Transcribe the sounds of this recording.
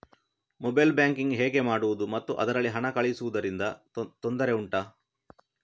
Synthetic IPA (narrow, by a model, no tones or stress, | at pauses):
mobɐjlbjaːŋkiŋɡɦɛːɡe̞maːɽuʋud̪umɐt̪ːuʔɐ̰d̪ɐɾɐɭːiɦɐɳɐkɐɭjsuʋud̪ɐɾind̪ɐ | t̪ond̪ɐɾe̞uɳʈa